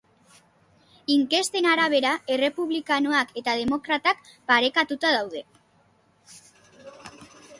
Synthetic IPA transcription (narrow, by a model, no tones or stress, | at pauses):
iŋke̞st̪e̞naɾaβ̞e̞ɾae̞re̞puβlikanoake̞t̪að̞e̞mo̞kɾat̪akpaɾe̞kat̪ut̪aðawð̞e̞